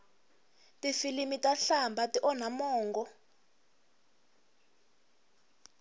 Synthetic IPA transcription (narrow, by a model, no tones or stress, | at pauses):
tʼifilimitʼaɬambʱatiʔɔnamɔːŋɡɔ